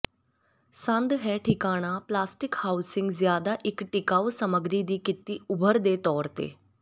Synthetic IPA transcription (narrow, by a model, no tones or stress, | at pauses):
sãnd̪ɦɛʈʰikaɽ̃aplasʈikhawsiŋɡd͡zjad̪aʔikʈikaʋsəməɡɾid̪iːkit̪ːiːubʱəɾd̪et̪ɔɾt̪ḛ